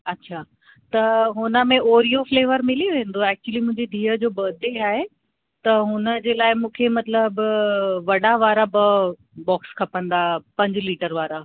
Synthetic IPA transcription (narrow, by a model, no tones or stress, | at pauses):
ɐtːɕʰaː | t̪ɐɦʊnə̆mẽʔoːɾijofleːʋəɾmɪliʋẽːn̆d̪oɛːk̚t͡ɕuwəlimʊ̃ɦɪ̃ɲd͡ʑed̪ʱiːəd͡ʑoːbɐːd̪ʱeaːɦe | t̪ɐɦʊnəd͡ʑeːlaːɪmũːkʰemɐt̪ləbʋɐɽaʋaːɾabɐ | bɔːkskʰɐpə̃nd̪apɐ̃ɲd͡ʑliːʈəɾʋaːɾa